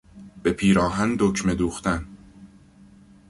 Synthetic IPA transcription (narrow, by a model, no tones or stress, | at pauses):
b̥e̞pʰiːɾɒːɦænd̪ocʰme̞d̪uːxt̪æn